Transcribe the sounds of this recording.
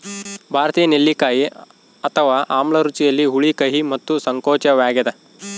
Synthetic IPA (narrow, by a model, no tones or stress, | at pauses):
bʱaːɾɐt̪iːjɐnelːikaːji | ɐt̪ʰɐʋaːʔaːmɭɐɾut͡ʃijɐlːiɦuɭikɐɦimɐt̪ːusɐŋkoːt͡ʃɐʋaːɡɛd̪ɐ